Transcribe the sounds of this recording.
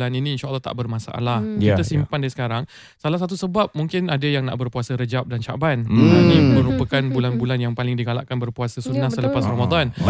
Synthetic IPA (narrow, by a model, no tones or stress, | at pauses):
laninĩːnʃaʔəlːɑht̪a̰ʔbərmãsaʔa̰lahkit̪asimpandasə̥kaɾaŋ | salahsat̪̬usəbap̚muŋkɪnadajaŋna̰ʔbərpuasəɾəd͡ʒap̚dant͡ʃa̰bananĩmə̃ɾupəkanbulanbulanjaŋpalɪŋdiɡala̰ʔkanbərpuasəsunːasələpasramad̪an